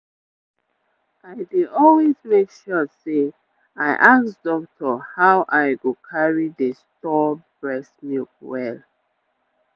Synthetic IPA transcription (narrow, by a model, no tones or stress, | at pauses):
aɪdidɔlwezmekʃɔse | aɪʔaksdɔk̚tʰɔhaʊʔaɪɡokʰaɹidəstɔbɹɛsmikwɛl